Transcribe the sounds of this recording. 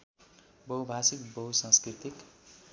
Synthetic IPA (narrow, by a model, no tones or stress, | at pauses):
bʌwbʱasikbʌɦwsãskɾit̪ik